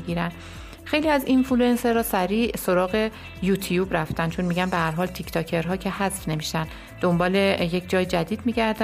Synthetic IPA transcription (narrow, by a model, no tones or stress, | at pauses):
iɡiːɾænd̪ | xe̞jliːæzinfuluenseɾɒːsæɾiːso̞ɾɒːɣe̞ | jut̪ʰijuːbɾæft̪ænd̪t͡ʃʰonmiːɟænbeɦæɾɦɒːlt̪ʰicʰt̪ʰɒcʰe̞ɾɦɒːcʰehæzfne̞miʃt̪æn | d̪̥o̞mbɒːle̞je̞cʰd͡ʒɒːjd͡ʒæd̪iːd̪miːɟæɾd̪æ